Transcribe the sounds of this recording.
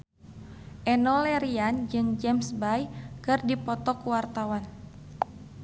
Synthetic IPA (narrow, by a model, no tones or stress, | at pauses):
ʔɛnɔlɛɾiand͡ʒɨŋd͡ʒɛmsbajkɨrdipɔt̪ɔkuwart̪awan